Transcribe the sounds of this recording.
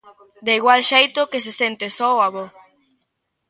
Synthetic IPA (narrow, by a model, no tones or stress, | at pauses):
d̪eiɣwalʃejt̪ʊkes̬esent̪esɔoaβo